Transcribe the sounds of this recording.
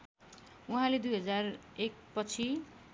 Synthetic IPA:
uɦãled̪ujɦʌd͡zarek̚pʌt͡sʰi

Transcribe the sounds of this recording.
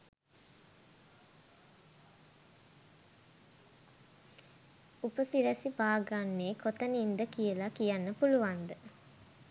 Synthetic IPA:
upəsiɾæsibaːɡanːeːkot̪ənind̪əkijəlakijanːəpuluʋand̪ə

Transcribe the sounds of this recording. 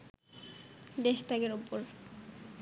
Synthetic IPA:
d̪eʃt̪akeɾupoɾ

